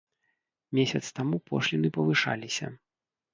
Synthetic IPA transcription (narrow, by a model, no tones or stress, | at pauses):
mʲesʲɐt̪st̪amupʰɔ̰ʂlʲinɨpɐvɨʂa̰lʲisʲɐ̰